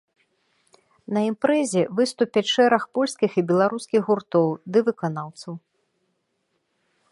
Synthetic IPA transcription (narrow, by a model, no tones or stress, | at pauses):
nɐimpɾɛzʲɛvɨst̪upʲɛʂɛɾɐxpɔlʲskʲixibʲɛlˠaɾuskʲiɣɣurt̪ɔwd̪ɨvɨkanawt̪sɐw